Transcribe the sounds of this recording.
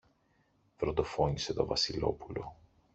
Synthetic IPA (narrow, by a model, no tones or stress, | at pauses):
fɾond̪o̞fo̞ɲise̞t̪o̞vɐsilo̞̰pulo̞̰